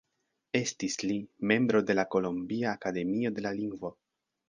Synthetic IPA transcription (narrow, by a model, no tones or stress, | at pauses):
e̞stislime̞mbɾo̞de̞lako̞lombiaːkade̞mio̞de̞laliŋɡvo̞